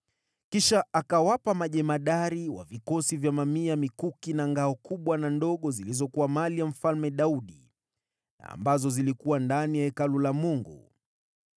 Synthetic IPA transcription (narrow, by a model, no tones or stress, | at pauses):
kiʃaʔakawapamaʄɛmaɗaɾiwa̰vikɔsivjamamiamikukinaŋɡaɔkuɓwanandɔɠɔzilizɔkuwamalijam̩falmɛɗauɗḭ | a̰ːmbazɔzilikuwandanijaɛkalulamuŋɡṵ